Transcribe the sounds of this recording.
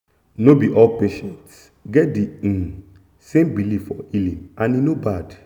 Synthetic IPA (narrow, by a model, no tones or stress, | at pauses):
nobiʔɔlpeʃɛ̃nts | ɡɛtdĩ | sẽmbiliffɔ̰ilĩnãninobad